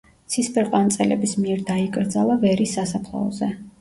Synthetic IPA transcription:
t̪sʰispʰʼɛɾqʼant̪sʼɛlɛ̰bismiɛɾd̪aikʼɾd̪zalˠavɛɾisːasapʰlˠɔ̰ɔzɛ

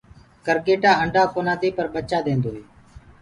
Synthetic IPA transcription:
kəɾɡeːʈaːəɳɖaːkoːnaːd̪iːpəɾɓət͡ʃaːd̪ẽːnd̪oːɦeː

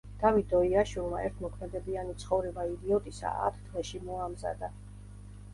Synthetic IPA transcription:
d̪̥avitd̪ɔiaʃwilˠmaɛɾt̪ʰmɔkʰmɛd̪ɛbianit̪sʰχɔvɾɛbaid̪iɔt̪ʼisa̰a̰t̪ʰt̪ʰvɛʃimɔamza̰d̪a

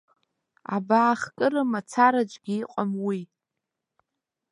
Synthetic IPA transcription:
a̰baːχkʼɨɾɨmat͡sʰaɾad͡ʒʷʼɡʲiːqʼamwi

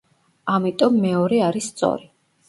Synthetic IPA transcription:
amit̪ʼɔmːɛɔɾɛaɾisːt̪sʼɔ̰ɾi

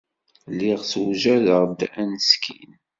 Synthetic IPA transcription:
lːiʁswʒæðəʁd̪ænskʰḭn

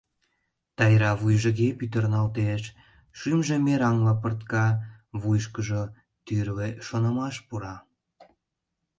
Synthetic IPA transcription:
t̪ɑjɾɑβujʒə̆ɣepyt̪̬ərnɑlt̪eʃ | ʃymʒemeɾɑŋlɑpərt̪kɑβujʃ̬kəʒo | t̪yrβeʃonəmɑʃpuɾɑ

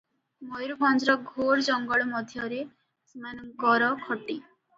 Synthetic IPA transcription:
mɔjɾubʱɔnd͡ʒɾɔɡʱoɾd͡ʒɔŋɡɔɭɔmɔd̪ʱjɔɾe | semanɔŋkɔɾɔkʰɔʈi

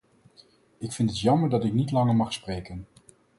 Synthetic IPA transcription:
ɪkfɪntətjɑməɹdɑtɪknitlɑŋəɹmɑχsprejkən

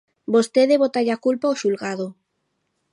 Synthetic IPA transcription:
bost̪eðeβot̪aʎakulpaoʃulɣaðo

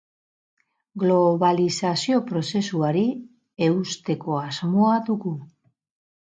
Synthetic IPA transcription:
ɡlo̞βalisasio̞pɾo̞se̞suaɾi | e̞ust̪e̞ko̞azmoaðuɣu

